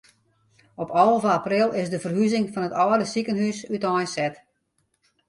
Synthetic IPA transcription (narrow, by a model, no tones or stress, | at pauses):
ɔpʰɔlˠvəaprɪlˠɪsdəfərɦyzɪŋfɔnətɔːdəsikənɦysytɔjsɛt